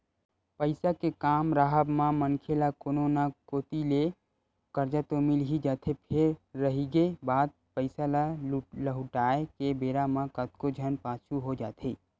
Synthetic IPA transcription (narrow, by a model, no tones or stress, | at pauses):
pəɪsakekaːmɾaɦəbmãmənkʰelakononakoːt̪ile | kəɾd͡ʒat̪omɪlɦid͡ʒaːt̪ʰepʰeɾːəɦiɡebaːd̪̚pəɪsalaləɦʊʈaːekebeːɾamãkət̪̚kod͡ʒʱənpaːt͡ʃʰuɦod͡ʒaːt̪ʰeː